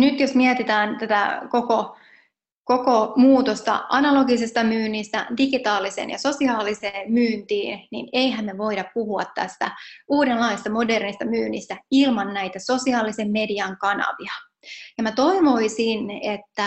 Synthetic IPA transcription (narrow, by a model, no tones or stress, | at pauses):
nyt̪josmiet̪it̪æːnt̪æt̪æ̰koko | kokomuːt̪ost̪ɑ̰ʔɑnɑloɡisist̪ɑmyːnːist̪æ̰diɡit̪ɑːlisḛnjɑ̰sosiɑːliseːmmyːnt̪iːnnḭneiɦæmːeʋo̞idɑppuhuɑt̪tæ̰st̪æ̰uːdenlɑisst̪ɑmo̞dernist̪ɑmyːnːist̪æilmɑnnæit̪æso̞siɑːlisemmediɑŋkɑnɑ̰ʋiɑ | jɑmæt̪o̞imo̞isinet̪ːæ